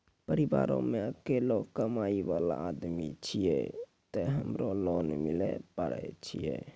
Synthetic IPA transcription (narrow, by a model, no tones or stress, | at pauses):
pəɾɪʋa̰ːɾõ̰mẽəkeːlokəmaːiʋaːla̰aːd̪mit͡ʃʰijɛt̪eɦəmɾoloːnmɪlepəɽɛt͡ʃʰijɛ